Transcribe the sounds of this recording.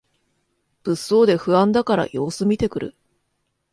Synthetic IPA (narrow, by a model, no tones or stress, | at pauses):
b̥ɯ̟sːo̞ːd̪e̞ɸɯ̟ãnd̪akaɾa̰jo̞ːsɨmʲit̪e̞kɯ̟ɾɯ̟̰